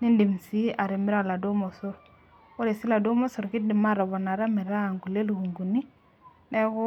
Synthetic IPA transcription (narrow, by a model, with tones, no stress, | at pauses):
ni˦ndi˨msi˦a˨ɾi˨mi˦ɾa˦˨la˨du˦mɔ˨sʊ˦ɾ | wo˦ɾe˨si˦la˨du˦mɔ˦so˨ɾki˦di˨ma˦˨ɾɔ˨bɔ˨na˨ɾa˦mi˨ɾa˦˨ŋɡu˨le˦lu˨ɡu˨ŋɡu˨ni˦ | ne˦kʊ˦